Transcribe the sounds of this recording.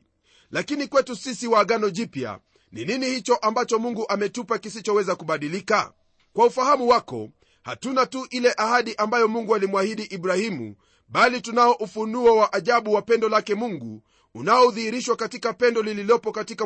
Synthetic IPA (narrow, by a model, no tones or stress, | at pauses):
lakinikwɛtusisiwaːɠanɔʄipja̰ | nininihit͡ʃɔʔambat͡ʃɔmuŋɡuʔamɛtupakisit͡ʃɔwɛzakuɓaɗilika̰ | kwaufahamuwakɔ̰ | ha̰tunatuʔilɛʔahaɗiʔambajɔmuŋɡualimwahiɗiʔiɓɾahimṵ | ɓalitunaɔʔufunuɔwaʔaʄaɓuwapɛndɔlakɛmuŋɡuː | naɔðihiɾiʃwakatikapɛndɔlililɔpɔkatika